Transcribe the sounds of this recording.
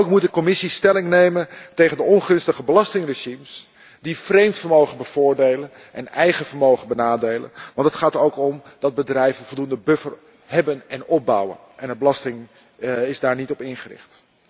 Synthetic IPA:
owkmut̚dəkɔmɪsistɛlɪŋnejməntejχəndəɔnχɵnstəχəbəlɑstɪŋrəʒims | difrejmtfəɹmowχənbəv̥ʊːɹdejlən | ʔɛ̰nɛjχəvəɹmowχənbənaːdejlə̰nʋɑntətχaːtowkɔmd̥ɑd̚bədrɛjvənvɔlˠdundəbɵfər | ɦɛbənɛnɔb̚bʌ̰wə̰nʔɛnəbəlɑstɪŋ | ɪzdaːɹnitɔpɪnχərɪ̰χt

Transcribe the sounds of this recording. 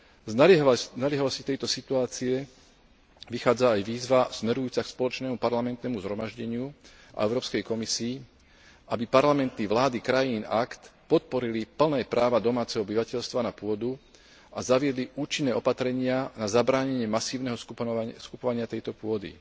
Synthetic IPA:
ɦnalɪɛɦalɔsci̥t̪ɛjt̪ɔsit̪uaːt͡siɛ | ʋixaːd͡zaːjʋiːzʋasmɛɾujuːt͡sakspɔlɔt͡ʃnɛːmupaɾlamɛnt̪nɛːmuzɦɾɔmaʒɟɛɲɪuʔa̰ɛʊɾɔːpskɛjkɔmisiː | abipaɾlamɛnt̪niʋlaːd̪ikɾajinakt̪pɔt̪̚pɔɾilipl̩nɛːpɾaːʋad̪ɔmaːt͡sɛɦɔɔbiʋacɛʎst̪ʋanapʊɔd̪u | azaʋɪɛd̪liʔuːt͡ʃinːɛːɔpat̪ɾɛɲɪanazabɾaːɲɛɲɪɛmasiːʊnɛɦɔskuskupɔʋaɲɪat̪ɛjt̪ɔpʊɔd̪ḭ

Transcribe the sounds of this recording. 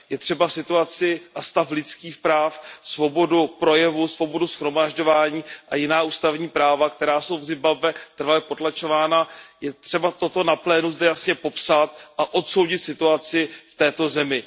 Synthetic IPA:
jɛt̪r̝̥ɛbasɪt̪uat͡sɪʔast̪aflɪt͡skiːxpɾaːfsvo̞bo̞dupɾo̞jɛvusvo̞bo̞dusxɾo̞maʒɟo̞vaːɲiːʔajɪnaːuːst̪avɲiːpɾaːvakt̪ɛɾaːso̞wvzɪmbabvɛt̪r̩valɛpo̞t̪lat͡ʃo̞vaːnajɛt̪r̝̥ɛbat̪o̞t̪o̞naplɛːnuzdɛjasɲɛpo̞psat̪̚ʔaʔo̞t̪so̞wɟɪt̪sɪt̪uat͡sɪft̪ɛːt̪o̞zɛmɪ

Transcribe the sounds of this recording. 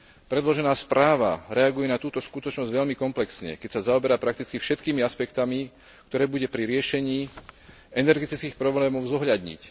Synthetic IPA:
pɾɛd̪lɔʒɛnaːspɾaːʋa̰ɾɛaɡujɛnat̪uːt̪ɔskut̪ɔt͡ʃnɔzɟʋɛʎmikɔmplɛksɲɛ̰kɛcsazaɔbɛɾaːpɾakt̪it͡skifʃɛt̪kiːmiaspɛkt̪ami | kt̪ɔɾɛːbuɟɛpɾiɾɪɛʃɛɲiː | ɛnɛɾɡɛt̪it͡skiːxpɾɔblɛːmɔʊzɔɦʎad̪ɲḭc

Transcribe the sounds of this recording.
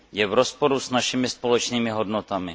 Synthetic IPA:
jɛvɾospo̞ɾusnaʃɪmɪspolɛt͡ʃniːmɪɦo̞dnot̪amɪ

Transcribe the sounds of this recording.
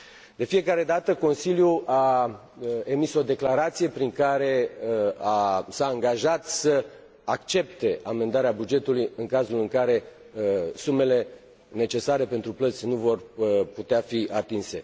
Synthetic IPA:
d̪̥e̞fije̞kaɾe̞d̪at̪əko̞nsiljuʔa | e̞miso̞d̪e̞klaɾat̪sije̞pɾiŋkaɾe̞ | asaːŋɡaʒat̪sə | akt͡ʃe̞p̚t̪e̞ʔame̞nd̪aɾeabud͡ʒe̞t̪ulujɨŋkazulɨŋkaɾe̞ | sume̞le̞ | ne̞t͡ʃe̞saɾe̞pe̞nt̪ɾuplət̪sʲnuvo̞rput̪eafiʔat̪inse̞

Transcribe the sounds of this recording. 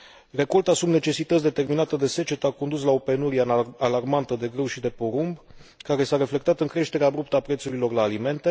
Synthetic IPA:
re̞ko̞lt̪asubne̞t͡ʃe̞sit̪ət̪sʲd̪e̞t̪e̞rminat̪əd̪e̞se̞t͡ʃet̪əako̞nd̪uslao̞pe̞nuɾiealarmant̪əd̪e̞ɡɾewʃid̪e̞po̞ɾumb | kaɾe̞saɾe̞fle̞kt̪at̪ɨŋkɾe̞ʃt̪e̞ɾeabɾup̚t̪əapɾe̞t̪suɾilo̞rlaːlime̞nt̪e

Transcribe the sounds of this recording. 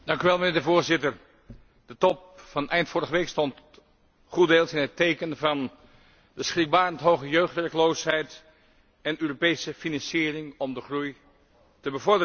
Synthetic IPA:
d̥ɑŋkyʋɛlˠmənɪːɹdəvʊːɹzɪtəɹ | d̥ətɔp̚fɑnɛjntfʊːɹəχəʋejkstɔnt | χudeːlˠsɪnɦətejkənvɑn | dəsχrɪk̚baːrəntɦowχəjøːχtʋɛɹkəlowsɦɛjt | ɛnøːropejsəfinɑnsiːrɪŋɔmdəχruj | təbəvɔɹdə

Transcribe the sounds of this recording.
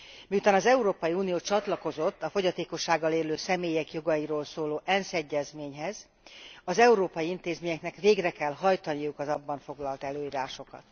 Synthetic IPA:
miut̪aːnɒzɛuɾoːpɒjiuːnijoːt͡ʃɒt̪lɒko̞zo̞t̪ːɒfo̞ɟɒt̪eːko̞ʃːaːɡːɒleːløːsɛmeːjɛkjo̞ɡɒjiɾoːlsoːloːʔɛnsɛɟːɛzmeːɲɦɛz | ɒzɛuɾoːpɒjiint̪eːzmeːɲɛknɛkʋeːɡrɛkɛlɦɒjt̪ɒnijukɒzɒbːɒɱfo̞ɡlɒlt̪ɛløːiːɾaːʃo̞kɒ̰t̪

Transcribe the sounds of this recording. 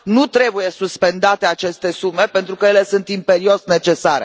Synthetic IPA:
nut̪ɾe̞buje̞suspe̞nd̪at̪e̞at͡ʃe̞st̪e̞sume̞pent̪ɾukəjele̞sɨnt̪impe̞ɾio̞sne̞t͡ʃe̞saɾe

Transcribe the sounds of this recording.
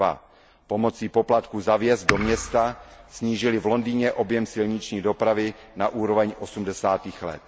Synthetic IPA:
a̰ | po̞mo̞t͡siːpo̞plat̪kuːzavjɛzd̪̚do̞mɲɛst̪asɲiːʒɪlɪvlo̞ndiːɲɛʔo̞bjɛmsɪlɲɪt͡ʃɲiːdo̞pɾavɪ | naʔuːɾovɛɲʔo̞sumdɛsaːt̪iːxlɛ̰t̪̚

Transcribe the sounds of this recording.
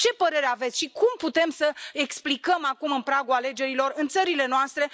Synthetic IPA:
t͡ʃe̞pəɾe̞ɾeavet̪sʲʃikumput̪e̞msəeksplikəmakumɨnpɾaɡuale̞d͡ʒe̞ɾilo̞rɨnt̪səɾile̞noast̪ɾe̞

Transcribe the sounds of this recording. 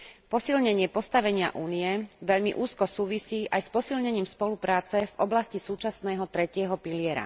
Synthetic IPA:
pɔsilɲɛɲɪɛpɔst̪aʋɛɲɪa̰ʔuːnijɛʋɛʎmḭʔuːskɔsuːʋisiːʔajspɔsilɲɛɲiːmspɔlupɾaːt͡sɛvɔblascisuːt͡ʃasnɛːɦɔt̪ɾɛcɪɛɦɔpilɪɛɾa̰

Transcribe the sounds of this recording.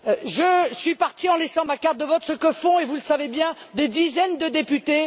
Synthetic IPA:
ʒəsɥipaʁt̪iɑ̃lɛsɑ̃makaʁt̪̚d̪əvɔt̪səkəfɔ̃evuləsavebjɛ̃d̪ed̪izɛnd̪əd̪epyt̪e

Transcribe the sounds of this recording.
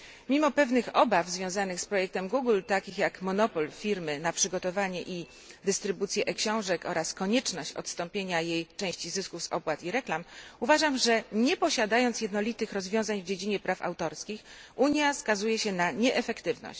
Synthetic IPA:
mʲimɔpɛvnɘxɔbavzvʲjɔ̃w̃zanɘxspɾɔjɛk̚t̪ɛmɡuɡlt̪akʲixjakmɔnɔpɔlfʲiɾmɘnapʂɘɡɔt̪ɔvaɲɛʔi | d̪ɘst̪ɾɘbut̪sʲjɛʔɛkɕɔ̃w̃ʐɛkɔɾaskɔɲɛt͡ʂnɔɕt͡ɕɔ̰t̪st̪ɔmpʲjeɲajejt͡ʂɛ̃w̃ɕt͡ɕizɘskufsɔ̰pwat̪iɾɛklamuvaʐamʐɛɲɛpɔɕad̪ajɔnt̪sjɛd̪nɔlʲit̪ɘxɾɔzvʲjɔ̃w̃zaɲvd͡ʑed͡ʑiɲɛpɾʔafa̰wt̪ɔɾskʲix | uɲjaskazujɛɕɛnaɲɛʔɛfɛkt̪ɘvnɔ̰ɕt͡ɕ

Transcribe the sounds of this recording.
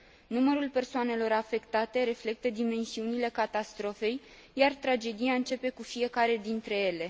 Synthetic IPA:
numəɾulpe̞rsoane̞lo̞ɾafe̞kt̪at̪e̞ɾe̞fle̞k̚t̪əd̪ime̞nsiunile̞kat̪ast̪ɾo̞fe̞j | jart̪ɾad͡ʒe̞d̪ijaɨnt͡ʃe̞pe̞kufije̞kaɾe̞d̪int̪ɾe̞je̞le̞

